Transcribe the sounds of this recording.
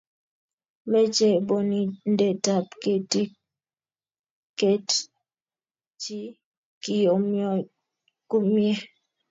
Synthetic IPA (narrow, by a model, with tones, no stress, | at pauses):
mɛ˦t͡ʃɛ˨bɔ˨ni˨n̩˦dɛ˨ta˨pke˨ti˦ | ke˦t | t͡ʃi˦ | ki˨jɔ˨m˦ | ku˦mjɛ˦